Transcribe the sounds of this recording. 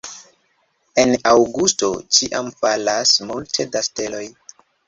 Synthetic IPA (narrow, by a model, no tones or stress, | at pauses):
e̞nawɡusto̞t͡ʃiʔamfalasmultʰe̞daste̞lo̞j